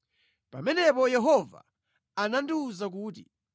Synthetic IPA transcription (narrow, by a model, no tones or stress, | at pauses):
pa̰mɛnɛpɔjɛɦɔva̰ | anandiuzak̬uːt̬i